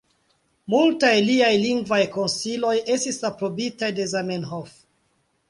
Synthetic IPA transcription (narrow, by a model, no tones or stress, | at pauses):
multajliajliŋɡvajko̞nsilo̞je̞stisapɾo̞bitajde̞zamenɦof